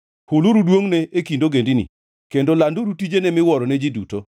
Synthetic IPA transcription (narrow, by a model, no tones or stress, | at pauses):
huluɾudwoŋnɛʔekindoɡendinḭ | kendolandoɾutid͡ʒenɛmɪwɔɾɔnɛd͡ʒiduto